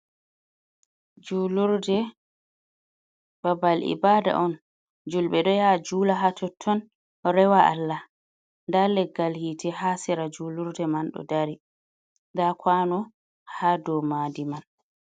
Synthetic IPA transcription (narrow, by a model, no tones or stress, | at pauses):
d͡ʒuːluɾdɛ | babalʔḭbaːda̰ʔɔn | d͡ʒulɓɛɗɔjad͡ʒuːlaɦatʰɔtʰːɔn | ɾɛwaʔa̰lːa | ndalɛɡːalhitɛhasiɾad͡ʒuːluɾdɛmanɗɔ̰daɾi | ndakʰwanɔ | haːdɔmaːdiman